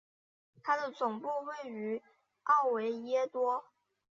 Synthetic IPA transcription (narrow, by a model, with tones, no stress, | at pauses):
t̪ʰa˥d̪ə˨t͡sʊ˨˩ŋpu˥˧we˥˩ɪy˧˥ | ɑ˥˩ʊwe˧˥ɪjɛ˥t̪wɔ˥